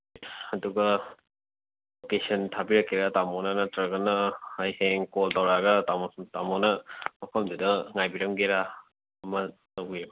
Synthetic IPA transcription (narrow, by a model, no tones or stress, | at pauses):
ɐduɡɐ | okesɐntʰabiɾɐkːeɾatamɔnanɐtɾɐɡɐnɐhajheŋkoltɐwɾaɡɐtatamɔnɐmɐpʰɐmdudɐŋajbiɾɐmɡeɾa | ɐmɐtɐwɡiɾb